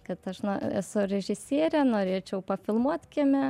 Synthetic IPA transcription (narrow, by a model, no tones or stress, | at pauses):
kɐt̪ɐʃnoɛ̰sʊɾʲɛʒʲɪsʲiːɾʲɛnoːɾʲeːt͡ʃʲɛʊpɐfʲɪlˠmuɔt̪ʲkʲɪmʲɛ